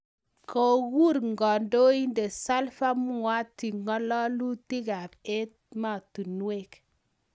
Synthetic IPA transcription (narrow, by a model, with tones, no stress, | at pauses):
ko˨ɣu˦ɾŋɡɔ˨ndo˦i˦nde˨sa˦lfa˦m˦ŋwa˦tːi˨ŋɔ˦lɔ˦lu˦ti˦ka˨p̚e˦t̚ma˨tu˨nwe˨k